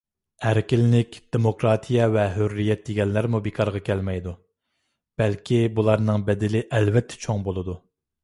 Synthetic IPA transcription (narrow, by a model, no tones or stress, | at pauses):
æɾkʲɪlɪnɪkʲd̪̥emokɾɑːt̪ʰijɛvɛɦørːijɛt̪̚d̪eɡʲɛnlæɾmubekʰɑɾʁɑkʲʰɛlmɛjd̪u | b̥ɛlkʲʰibulˠɑɾnɨŋbɛd̪ɪlɪʔɛlvɛt̪ʰːɛ̥t͡ʃʰoŋbolˠɨd̪u